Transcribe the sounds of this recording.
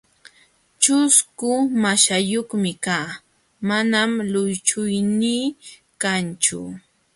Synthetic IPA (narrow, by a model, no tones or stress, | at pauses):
t͡ʃʊskʊmaʃajoχmɪkaː | manamlʊjt͡ʃʊjniː | kant͡ʃʊ̰